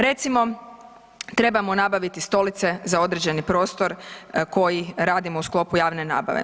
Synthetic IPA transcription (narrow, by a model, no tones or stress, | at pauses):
ɾe̞t̪simo̞ | t̪ɾe̞bamo̞nabaʋit̪ist̪o̞lit̪se̞zao̞d̪ɾed͡ʑe̞nipɾo̞ːst̪o̞ɾko̞jiɾaːd̪imousklˠo̞pujaːʋne̞na̰ːba̰ʋḛ